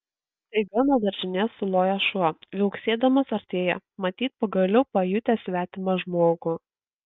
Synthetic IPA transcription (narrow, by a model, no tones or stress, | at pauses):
t̪ɐɪɡɐnɐd̪ɐɾʲʒʲɪnʲɛsʊlˠoːjɛʃuɔʋʲɛʊksʲeːd̪ɐmɐsɐɾʲt̪ʲeːjɛ̰mɐt̪ʲiːt̪̚pɐɡɐlʲɛʊpɐjʊt̪ʲæsʲʋʲæːt̪ʲɪmɐʒmoːɡʊ